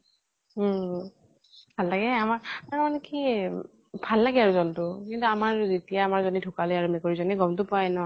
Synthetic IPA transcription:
bʱalːaɡɛamaɹaɹmaneki | bʱalːaɡɛaɹuzɔntʊkintuamaɹzitijaːmaɹzɔnidʱukalojaɹumekɔɹizɔniɡɔmtʊpajnɔ

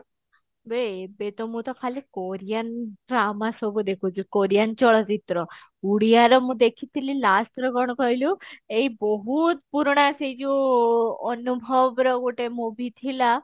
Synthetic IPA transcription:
bebet̪ɔmũt̪ɔkʰalikoɾijanʈɾamasɔbud̪ekʰut͡ʃʰukoɾijant͡ʃɔɭɔt͡ʃit̪ɾɔ | uɽijaɾɔmũd̪ekʰit̪ʰililast̪ɾɔɡɔɽ̃ɔkɔɦiluejbɔɦut̪puɾɽ̃ased͡ʒu | ɔnubʱɔbɾɔɡuʈemũbʱit̪ʰila

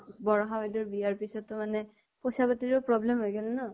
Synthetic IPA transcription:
bɔɹɔɦaajdɔɹbiaɹpisɔtːʊmanɛ | posapatiɹɔpɹɔblɛmɦojɡɛlnɔ

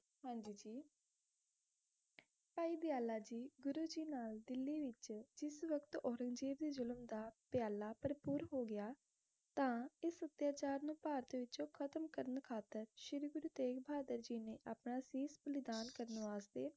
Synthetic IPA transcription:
ɦãːɲd͡ʒiːd͡ʒiː | paːiːd̪ɪjaːlaːd͡ʒiːɡʊɾuːd͡ʒiːnaːld̪ɪlːiːʋɪt͡ʃd͡ʒɪsʋəkt̪ɔːɾə̃ŋɡd͡ʒeːʋd̪iːzʊləmd̪aːpjaːlaːpəɾəpuːɾɦoːɡɪjaː | t̪ãːɪsːət̪ːjaːt͡ʃaːɾnũːpaːɾət̪ʋɪt͡ʃõːkʰət̪əmkəɾənkʰaːt̪ːəɾʃɪɾɡʊɾuːt̪eːkbʱaːd̪əɾd͡ʒiːneːʔaːpnaːsiːsbəlɪd̪aːnkəɾənʋaːzt̪eː

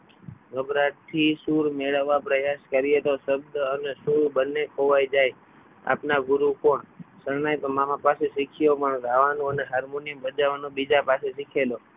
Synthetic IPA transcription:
ɡəbɾaʈ̪ʰisuɾmeɭəʋːapɾəjaskəɾijet̪osəb̚d̪ənesuɾbənːekʰoʋajd͡ʒaj | a̰pnaɡʊɾukõɳsəɾnajt̪omamãpaseʃikʰijopəɳɡʱaʋanõəneɦaɾmoniəmbəd͡ʒaʋanõbid͡ʒapaseʃikʰelo

